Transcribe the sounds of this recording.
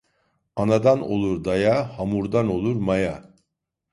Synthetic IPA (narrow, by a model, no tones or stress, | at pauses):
anad̪ano̞̰lˠuɾd̪ajahamuɾd̪ano̞lˠuɾmaja